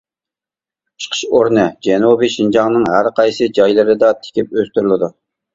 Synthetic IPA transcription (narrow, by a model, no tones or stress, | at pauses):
ʃqʰə̥ʃoɾnɨd͡ʒɛnubiʃind͡ʒɑŋnɨŋɦæɾqʰɑjsɨd͡ʒɑjlˠɨɾɨd̪ɑt̪ʰɪ̥kʲʰɪp̚øst̪yɾlˠɨd̪u